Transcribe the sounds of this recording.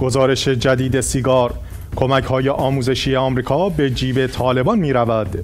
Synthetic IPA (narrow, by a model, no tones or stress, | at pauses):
ɡ̥ozɒːɾe̞ʃe̞d͡ʒæd̪iːd̪e̞siɡɒːɾ | kʰo̞mæcʰhɒːje̞ʔɒːmuːze̞ʃijeɒːmɾiːkʰɒːbe̞d͡ʒiːbe̞t̪ʰɒːle̞bɒnmiːɾævæd̪̥